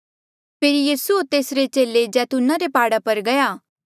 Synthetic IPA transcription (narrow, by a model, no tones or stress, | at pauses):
pʰeːɾjiːsuot̪eːsɾet͡ʃeːled͡ʒɛːt̪ʊnaɾepaːɽapɐɾɡɐjaː